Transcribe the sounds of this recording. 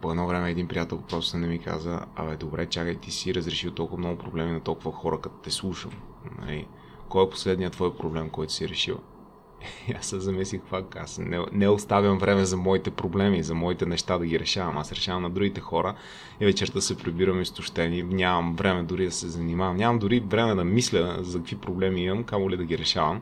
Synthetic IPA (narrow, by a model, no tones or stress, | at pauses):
poɛd̪nɔvɾɛmɛːd̪inpɾijat̪ɛlˠpɾɔst̪ʊ̥sɛnɛmika̰zə̰ɐ̰vɛd̪obɾɛt͡ʃjakəjt̪isiːɾəzɾɛʃiwˠt̪ɔlˠkʊvɐmnɔɡʊpɾoblɛminɐt̪ɔlˠkʊvɐxɔɾəkɐt̪ɔ̥t̪ɛslˠuʃə̰mnɐ̰lḭ | kɔɛpo̥slɛd̪nijət̪vɔjpɾoblɛmkɔjt̪ʊ̥siɾɛʃiw | asɛzɐmislixpakːa̰snɛnɛʊst̪avjəmvɾɛmɛzɐmɔit̪ɛpɾoblɛmizɐmɔit̪ɛnɛʃt̪ad̪ɐɡiɾɛʃavɐmasɾɛʃavɐmnɐd̪ɾuɡit̪ɛxɔɾə | ɛvɛt͡ʃɛɾt̪əsɛpɾibiɾəmist̪ʊʃt̪ɛninʲavɐmvɾɛmɛd̪ʊɾid̪ɐsɛzɐnimavɐmnʲɲʲavɐmd̪ʊɾivɾɛmɛd̪ɐmislʲəzɐkɐkv̥ipɾoblɛmiimɐmkamʊlid̪ɐɡiɾɛʃavɐm